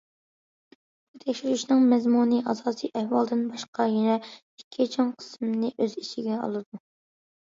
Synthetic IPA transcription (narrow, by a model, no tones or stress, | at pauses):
b̥ut̪ʰɛkʲʃiɾyʃnɨŋmɛzmunɨʔɑzɑːsɨjʔɛhwɑlˠd̪ɪnbɑʃqɑjɛnɛ | ikʲʰːit͡ʃʰoŋqʰə̥smnɨʔøzit͡ʃʰiɡʲɛɑ̰lˠɨd̪u